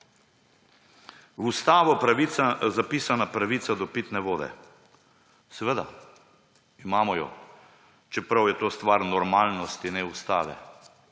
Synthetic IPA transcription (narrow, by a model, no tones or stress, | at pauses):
wust̪aːʋɔpɾaʋiazapiːsanapɾaʋiːt̪sad̪ɔpiːt̪nɛʋoːd̪ɛ̰ | sɛʋeːd̪a̰ | imaːmɔjɔ̰ | t͡ʃɛpɾawjɛt̪oːst̪ʋaɾnɔɾmaːlnɔst̪inɛust̪aːʋɛ̰